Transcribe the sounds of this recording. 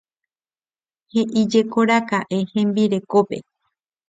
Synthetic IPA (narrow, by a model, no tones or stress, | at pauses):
heʔid͡ʒekoɾakaʔehẽ̞mbiɾe̞kope̞̰